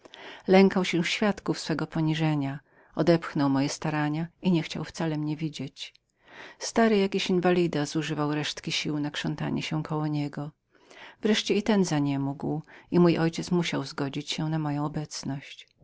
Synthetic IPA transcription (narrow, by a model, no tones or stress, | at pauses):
lɛŋkawɕɛfɕfʲjat̪kufsfɛɡɔpɔɲiʐɛɲa | ɔd̪ɛpxnɔwmɔjɛst̪aɾaɲaiɲɛxt͡ɕa̰wft̪salɛmɲɛvʲid͡ʑet͡ɕ | st̪aɾɘjakʲiɕinvalʲid̪azuʐɘvawɾɛʂt̪kʲiɕiwnakʂɔnt̪a̰ɲɛ̰ɕɛkʰɔwɔɲɛɡɔ | vɾɛʂt͡ɕɛit̪ɛnzaɲɛmuɡwimujʔɔjt͡ɕɛt̪smuɕawzɡɔd͡ʑit͡ɕɕɛnamɔjɔ̃w̃ɔbɛt̪snɔɕt͡ɕ